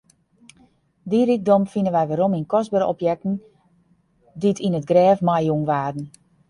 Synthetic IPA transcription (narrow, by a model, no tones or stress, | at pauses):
diɾik̚dɔmfinənʋɛjʋaɾominkɔzbəɾɔ̰pjɛk̚tn̩ | ditʰinətɡrɛːfmajuŋʋaːdn̩